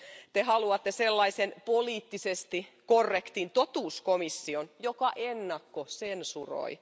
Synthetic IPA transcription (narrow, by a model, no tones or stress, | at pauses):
t̪ehɑluɑt̪ːeselːɑisenpoliːt̪ːisest̪ikorːekt̪int̪ot̪uːskomisːionjokɑʔenːɑkːosensuro̰i